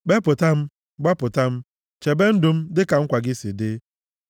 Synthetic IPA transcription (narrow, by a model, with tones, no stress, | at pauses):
ɡ͡be˦pʊ˨ta˦m̩˦ | ɡ͡ba˦pʊ˨ta˦m̩˦ | t͡ʃe˨be˦n̩˦dʊ˨m̩˦dɪ˦ka˨ŋ̩˦kʷa˨ɡɪ˦si˨dɪ˦